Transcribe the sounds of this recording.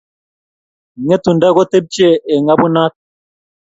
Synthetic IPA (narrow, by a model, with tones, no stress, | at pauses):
ŋɛ˦tu˨nda˦ɡɔ˦te˦p̚t͡ʃe˦˨ʔe˨ŋa˦bu˦na˦t̚